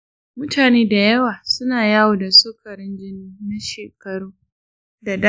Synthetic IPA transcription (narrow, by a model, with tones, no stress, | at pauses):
mʊ˦tʰaː˨neː˦da˨jɐ˦waː˨sʊ˦naː˨jaː˦wo˨da˨soː˦kɐ˨ɾɪ˦nd͡ʒɪ˦niː˦na˦ʃeː˨kɐ˨ɽuː˦ | da˨d